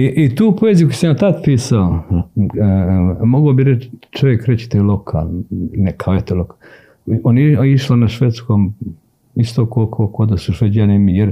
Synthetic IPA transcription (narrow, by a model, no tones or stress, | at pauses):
iʔit̪uːpoezijukosamjat̪ad̪piːsao | moɡobiɾet͡ʃt͡ʃoʋjekɾet͡ɕi̥t̪ajlokʰa̰ːlˠnekʰaoet̪oloka | oneiiʃlonaʃʋet̪skoːm | ist̪okuokʰokod̪asuʃʋed͡ʒanemijeɾ